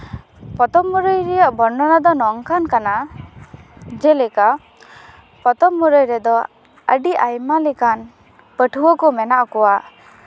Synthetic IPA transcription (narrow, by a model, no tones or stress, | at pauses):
pɔt̪ɔmːuɾɔjɾɛjɔʔbɔɾɳɔnad̪ɔnɔŋkankana | d͡ʒɛlɛka | pɔt̪ɔmːuɾɔjɾɛd̪ɔ | ə̰ɖiʔajmalikan | pəʈʰuwɔkɔmɛnaʔɔkɔwa